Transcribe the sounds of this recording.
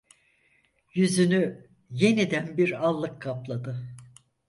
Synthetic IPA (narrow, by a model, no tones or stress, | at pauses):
jyzyny | je̞nid̪ænbiɾalˠːɯkʰːaplˠad̪ɯ